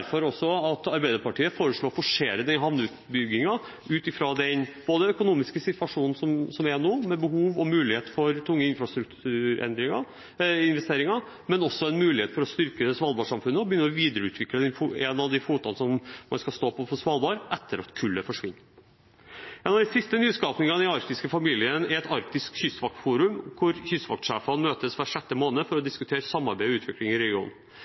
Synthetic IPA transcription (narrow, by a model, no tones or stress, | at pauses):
ɾfɔɾɔsːɔɑt̪ɑɾbæɪd̪əɾpɑʈiːəfoːɾəʂɭoːfɔʂeːɾəd̪ɛnɦɑʋnʉːt̪bʏɡːɪŋɑ | ʉːt̪ɪfɾɑd̪ɛnb̥oːd̪əœkʊnuːmɪskəsɪt̪ʋɑʂuːnn̩sɔmsɔmɛnuːmɛbəɦuːʋɔmʉːlɪheːt̪fɔɾt̪ʰʊŋːəɪnfɾɑst̪ɾʉkt̪ʰʉːɾɛ̰nd̪ɾɪŋɑ | ɪnʋɛst̪eːɾɪŋɑ | mɛnɔsːɔɛnmʉːlɪheːt̪fɔɾɔst̪ʏɾkəsʋɑːlbɑːʂɑmfʉnːəɔbəjʏnːəɾɔʋiːd̪əɾəʉːt̪ʰʋɪkləd̪ɛnfɛnɑʋd̪ɪfuːt̪ɑnsɔmmɑnskɑst̪oːpʰɔfɔsʋɑːlbɑɾʔɛt̪ʰːəɾɑt̪kʰʉlːəfɔʂʋɪnː | ʔɛːnɑd̪ɪsɪst̪ənyːskɑːpnɪŋɑnɪɑɾk̚t̪ɪskəfɑmiːlɪənɛɾɛt̪ɑɾk̚t̪ɪskçʏsʋɑk̚t̪fuːɾʉmkʰʊɾçʏsʋɑ̰k̚t̪ʂæːfɑnmøːt̪əsʋæʂɛt̪ːəmoːnəfɔɾɔd̪ɪskʉt̪ʰeːɾəsɑmːɑɾbæɪʉːt̪ʰʋɪklɪŋɪɾɛɡɪṵːn